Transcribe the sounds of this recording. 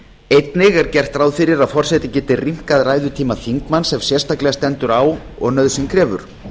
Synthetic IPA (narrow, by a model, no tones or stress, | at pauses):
ejt̪nɪɣɛɾcɛr̥t̪ɾaːwðfɪɾɪɾaðfɔr̥sɛt̪ɪcɛːt̪ɪrim̥kaðraːjðʏt̪ʰiːmaθiŋkmansɛmsjɛ̥st̪aklɛɣast̪ɛnt̪ʏɾaːwɔ̰ɣnœðsɪŋkʰɾɛːvʏ̰ɾ̥